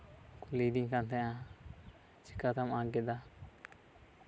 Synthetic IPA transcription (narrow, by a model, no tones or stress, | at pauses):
kuled̪iŋkant̪ɛ̃ã | t͡ʃi̥kːat̪amaɡed̪a